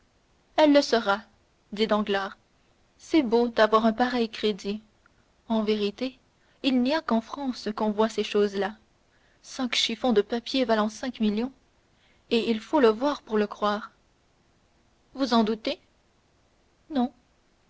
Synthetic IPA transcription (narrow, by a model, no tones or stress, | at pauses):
ɛlːəsəʁa | d̪id̪ɑ̃ɡlaːʁ | sɛbod̪avwaʁɛ̃paʁɛjkχed̪i | ɑ̃veʁit̪e | ilniakɑ̃fχɑ̃ːskɔ̃vwaseʃoːzla | sɛ̃kʃifɔ̃d̪əpapjevalɑ̃sɛ̃kmiljɔ̃ | eilfoləvwaːʁpuʁləkχwaːʁ | vuzɑ̃d̪ut̪e | nɔ̃